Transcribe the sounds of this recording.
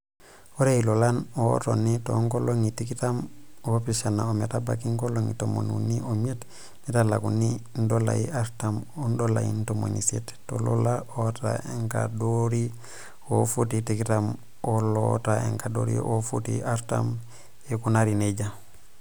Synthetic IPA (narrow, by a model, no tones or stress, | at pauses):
oɾeilolano̰tonitoŋkoloŋitikitamopisanaometaba̰kiŋkoloŋitomo̰nṵnːiomet | nitala̰kunindola̰jiʔaɾtamondola̰jḭntomo̰ɲisḭttːolo̰laota̰eŋka̰doɾi | ofutitikitam | olotaḛŋkado̰ɾḭʔofutḭaɾta̰m | jekunaɾineɟa